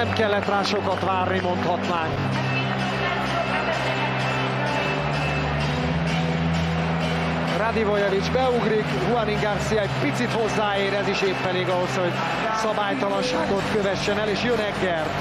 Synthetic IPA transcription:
ɛmkɛlːɛt̪raːʃo̞kɒt̪ʋaːrnimo̞nt̪hɒt̪naːŋk | rad̪ivojɛvid͡ʒbɛuɡrikhuɒniŋɡɒrsijɒɛɟpit̪sit̪ho̞zːaːeːɾɛziʃeːpːɛleːɡɒɦo̞sho̞ɟ | sɒbaːjt̪ɒlɒnʃaːɡo̞t̪kø̞vɛʃːɛnɛleːʃjønɛɡːɛr

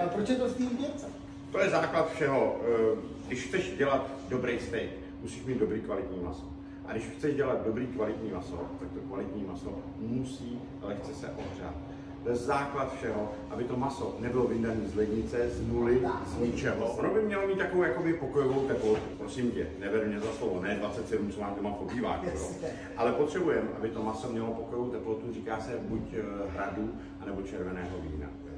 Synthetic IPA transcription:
apɾot͡ʃjɛt̪ost̪iːɲɛt͡sɛ | t̪ojɛzaːklat̪fʃɛɦo̞ | ɡdɪʃxt͡sɛʃɟɛlat̪ | do̞bɾejst̪ɛjt̪ | musiːʃmiːt̪do̞bɾiːkvalɪt̪ɲiːma̰so | ʔa̰dɪʃxt͡sɛʒɟɛlad̪̚do̞bɾiːkvalɪt̪ɲiːmaso̰t̪ak̚t̪okvalɪt̪ɲiːmaso̰ | musiː | alɛxt͡sɛsɛ̰ʔo̞̰br̝a̰t̪̚ | t̪ojɛzaːklat̪fʃɛɦo̞ | ʔabɪt̪o̞masonɛbɪlovɪndaniːzlɛdɲɪt͡sɛznulɪzɲɪt͡ʃɛɦo̞ʔonobɪmɲɛlomiːt̪jakoowjako̞bɪpokojovowt̪ɛplo̞t̪upɾo̞sɪmcɛnɛvɛɾmɲɛzaslovonɛːdvatt͡sɛt̪sɛdumt͡somaːmdomapo̞biːva̰ːkɛo | ʔalɛpot̪r̥ɛbujɛmʔa̰bɪt̪o̞maso̞mɲɛlopokojovowt̪ɛplo̞t̪uriːkaːsɛbucɦɾadu | ʔanɛbo̞t͡ʃɛɾvɛnɛːɦovḭːna̰

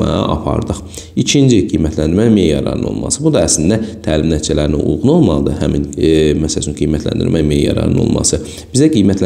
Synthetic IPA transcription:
ɑɑ̰ʔɑ̰pʰɑ̰ɾd̪ɯχ | it͡ʃʰind͡ʒiɡijmæt̪ʰlænd̪iɾmæmejjɑɾɑ̰ɾɯ̰no̰lˠmɑ̰sɯbud̪ɑæslind̪æt̪ʰæːlimnæt̪ʰt͡ʃʰælæɾiniʔṵlˠʁuno̞lˠmɑlˠd̪ɯhæminmæsælæt͡ʃʰynɡijmæt̪ʰlæ̰nd̪ḭɾmæmejjɑ̰ɾɑ̰ɾɯ̰no̞̰lˠmɑ̰sɯ | b̥izæɡijmæt̪ʰlæ

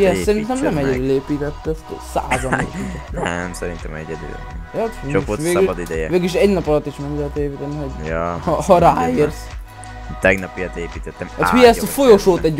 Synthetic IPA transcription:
jɛssɛɾinnt̪ɛmnɛmɛɟɛd̪yːleːpiːt̪ɛt̪ːɛssa̰ːzɒniʃnɛmsɛɾint̪ɛmɛ̰ɟɛd̪y̰ | jɒeokoʋeːɡid̪id̪ɛjɛveːɡyliʃɛɟnɒpɒlɒt̪ːiʃmoŋdt̪eːpiːt̪ɛniɦoɟjhhɒɾaːiːrs | t̪ɛɡnɒpijɑt̪eːpiːt̪ɛt̪ːɛmat̪hiɛst̪fo̞jo̞ʃoːt̪ɛɟ

